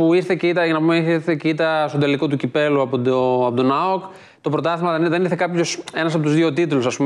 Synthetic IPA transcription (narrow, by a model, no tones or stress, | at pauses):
puiɾθeceit̪ɐʝɐnɐpumeiθiɾθecit̪ɐst̪od̪eliko̞t̪ucipe̞luɐpooɐpot̪o̞nɐok | t̪o̞pɾo̞t̪ɐθizmɐðeðeniɾθe̞kɐpço̞se̞nɐsɐpot̪uzðio̞t̪it̪ulusɐspum